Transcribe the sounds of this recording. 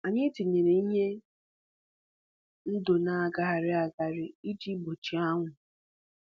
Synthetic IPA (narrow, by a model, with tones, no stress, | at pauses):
a˨ɲɪ˦ti˨ɲe˨ɾe˨˦ɲe˦ | n̩˦do˨na˨a˨ɡa˨ɦa˨ɾɪ˦a˨ɡa˨ɾɪ˦i˦d͡ʒi˦bo˨t͡ʃi˨a˦ŋʷʊ˨